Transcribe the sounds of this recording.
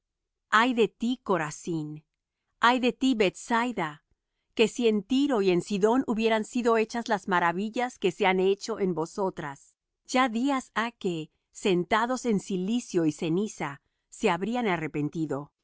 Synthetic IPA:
ajðe̞t̪iko̞ɾasin | ajðe̞t̪iβe̞t̪sajða | ke̞sie̞nt̪iɾo̞ie̞nsiðo̞nuβje̞ɾansiðo̞e̞t͡ʃazlazmaɾaβiʝaske̞seane̞t͡ʃo̞ʔe̞mbo̞so̞t̪ɾas | d͡ʒaðiasake̞ | se̞nt̪aðo̞se̞nsilisjo̞ise̞nisa | se̞aβɾianare̞pe̞nt̪iðo̞

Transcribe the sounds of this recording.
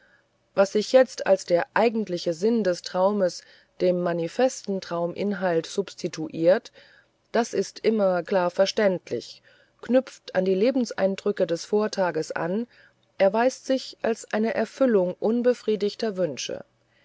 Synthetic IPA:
vasz̥ɪçjɛt͡sta̰lsd̥eːɐʔaɪɡŋ̩tlɪçəzɪndɛstʁ̥aʊməs | d̥eːmːanifɛstn̩tʁ̥aʊmʔɪ̰nɦaltz̥ʊpstʰitʰuʔiːɐt | d̥asɪstʔɪmɐkl̥aːɐfɛɐʃtɛntlɪ̰ç | knʏp͡fta̰ndiːleːbm̩sʔa̰ɪndʁʏkədɛsfoːɐtʰaːɡəsʔa̰n | ʔɛɐvaɪstz̥ɪçʔalsʔaɪnəʔɛɐfʏlʊŋʔʊnbəfʁ̥iːdɪçtɐvʏnʃə̰

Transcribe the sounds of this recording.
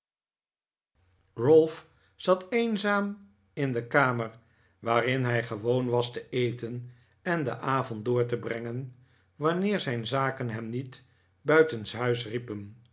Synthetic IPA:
rʊlˠf | z̥ɑtejnzaːm | ɪndəkaːməɹ | ʋaːrɪnɦɛjχəʋownʋɑstəejtən | ɛndə̰ʔaːvɔndʊːɹtəbrɛŋən | ʋɑnɪːɹzɛjnzaːkənɦɛmnit | bœɥtənsɦœɥsripən

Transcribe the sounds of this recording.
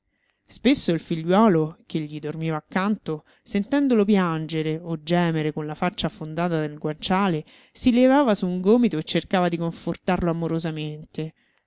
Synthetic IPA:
spesːoilfiʎːwɔːlokeʎːid̪ormiːvaːkːant̪o | sent̪ɛnd̪olop̬jand͡ʒeɾeod͡ʒːɛːmeɾekonlafat͡ʃːafond̪aːt̪ad̪elɡwant͡ʃaːle | silevaːvasuːŋɡoːmit̪oet͡ʃːerkaːvad̪ikoɱfort̪arloamoɾozament̪e

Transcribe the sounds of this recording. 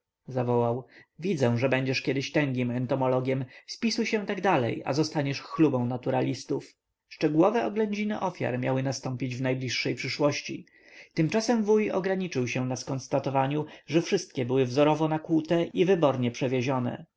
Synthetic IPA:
zavɔwawvʲid̪zɛ̃ʐɛbɛɲd͡ʑɛʂkʲɛd̪ɘɕt̪ɛŋɡʲimɛnt̪ɔmɔlɔɡʲjɛmspʲisujɕɛ̃t̪aɡd̪alɛ̰ja̰zɔst̪aɲɛʂxlubɔ̃w̃nat̪uɾalʲist̪uf | ʂt͡ʂɛɡuwɔvɛɔɡlɛɲd͡ʑinɛʔɔfʲja̰ɾmʲjawɘnast̪ɔ̃mpʲid͡ʑvnajblʲiʂːɛjpʂɘʂwɔɕt͡ɕḭ | t̪ɘmt͡ʂasɛmvujɔ̰ɡɾaɲit͡ʂɘwɕɛ̃naskɔnst̪at̪ɔvaɲuʐɛfʂɘst̪̚kʲɛbɘwɘvzɔɾɔvɔnakwut̪ɛivɘbɔɾɲɛpʂɛvʲjeʑɔnɛ̰

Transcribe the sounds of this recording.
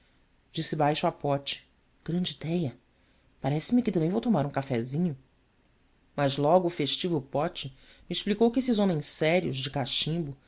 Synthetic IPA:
d͡ʒisɪbajʃʊapɔt͡ʃɪ̥ | ɡ̥ɾɐ̃nd͡ʒid̪ɛjɐ | paɾɛsɪmɪkɪt̪ɐ̃mbẽj̃vowt̪omaɾũkafɛzĩɲʊ | mɐzlɔɡʊːfeʃt͡ʃivʊpɔt͡ʃɪmiːʃplikowkɪesɪzõmẽssɛɾiʊzd͡ʒɪkaʃĩmbʊ

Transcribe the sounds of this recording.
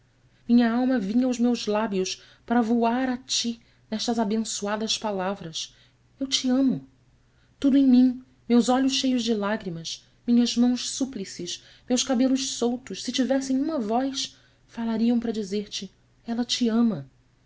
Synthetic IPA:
mĩɲɐawmɐvĩɲɐwzmewzlabiʊs | paɾɐvuaɾat͡ʃi | nɛʃt̪ɐzabẽsuad̪ɐspalavɾɐs | ewt͡ʃiɐ̃mʊ | t̪ud̪ʊẽj̃mĩ | mewzɔʎʊʃʃːejʊzd͡ʒɪlaɡɾimɐs | mĩɲɐzmɐ̃w̃ʃsuplisɪʃ | mewʃkabelʊʃsowt̪ʊʃsɪt͡ʃivɛsẽj̃ũmɐvɔjs | falaɾiɐ̃w̃pɾɐd͡ʒizeɾt͡ʃɪ | ɛlɐt͡ʃiɐ̃mɐ

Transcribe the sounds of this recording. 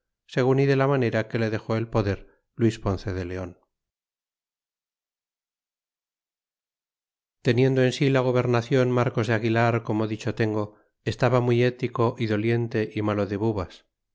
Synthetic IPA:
se̞ɣ̞uniðe̞lamane̞ɾake̞le̞ðe̞xo̞e̞lpo̞ðe̞ɾ | lwispo̞nθe̞ðe̞le̞o̞n | t̪e̞nje̞nd̪oe̞nsilaɣ̞o̞β̞e̞ɾnaθjo̞nmaɾko̞zðeaɣilaɾko̞moðit͡ʃo̞t̪e̞ŋɡo̞ | est̪aβamuje̞t̪iko̞ʔiðo̞lje̞nt̪e̞ʔimalo̞ðe̞βuβas

